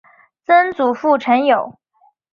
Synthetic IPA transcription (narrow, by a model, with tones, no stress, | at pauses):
t͡sə˥nt͡su˨˩fu˥˩ʈ͡ʂʰə˧˥njo˨˩˦ʊ